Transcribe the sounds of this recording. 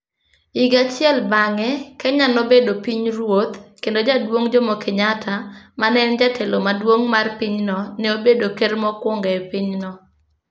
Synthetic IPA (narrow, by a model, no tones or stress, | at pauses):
iɡat͡ʃɪɛlbaŋɛkɛɲanobedopiɲrwot̪kendod͡ʒadwoŋd͡ʒomɔkɪɲatamanɛnd͡ʒatʰɛlomadwoŋmarpiɲnɔnɛobedokermɔkwɔŋɡɛpiɲnɔ